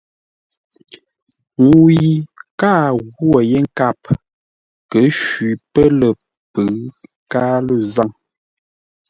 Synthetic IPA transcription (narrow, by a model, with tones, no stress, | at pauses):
ŋ˨i˨kaː˦˨ɣwɔ˨je˦ŋ̩˦ka˦˨p | kə˨˦ʃɥi˨pə˦lə˨ | pə˨˦ | kaː˦lə˦˨za˦˨ŋ